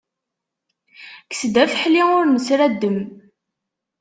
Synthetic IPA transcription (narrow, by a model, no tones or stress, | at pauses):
ksd̪æfəħliʊɾnəsɾæd̪ːəm